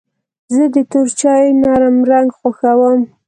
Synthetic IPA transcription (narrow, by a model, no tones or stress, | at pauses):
zəd̪ət̪oɾt͡ʃɑjnɑɾamɾaŋɡxaxawəm